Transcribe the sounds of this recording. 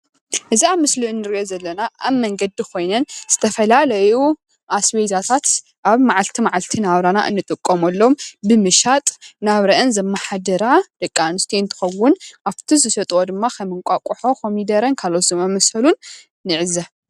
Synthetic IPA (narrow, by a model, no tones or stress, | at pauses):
ʔɨziamɨsliɨnːɨɾiʔozɐlːɐnaʔa̰βmːɐŋɡɐd̪ikʰo̞jnɐnz̥ɨt̪ʰɐfɐlalɐju | ʔasβezat̪ʰat̪ | ʔaβmaʕalt̪ʰimaʕalt̪ʰinaβɾana̰ʔɨ̰nːɨt̪ʼɨkʼːomɐlːombɨmɨʃat̪ʼnaβɾɐʔɨnzɐmːaħad̪ɐɾad̪̥ɐkʼːanɨst̪ʰiɨnt̪ʰɨ̥xɐwːʊnʔaβt̪ʰizɨsɐt̪ʼwod̪ɨmːakʰɐmɨŋkʷʼakʼuħo̞kʰomid̪ɐɾɐnkʰalot̪zɨmɐmɐsɐlunː | ɨʕɨza